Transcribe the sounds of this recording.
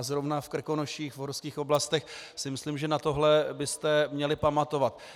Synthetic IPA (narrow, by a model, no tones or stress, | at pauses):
zɾovnafkr̩ko̞noʃiːxvɦoɾskiːxʔo̞blast̪ɛxsɪmɪslimʒɛnat̪o̞ɦlɛbɪst̪ɛmɲɛlɪpamat̪o̞vat̪̚